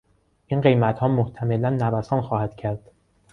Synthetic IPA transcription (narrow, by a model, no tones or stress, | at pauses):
ʔinɢe̞jmæt̪hɒːmoht̪ʰæme̞lænːævæsɒːnxɒːhæd̪̥cʰæɾd̪̥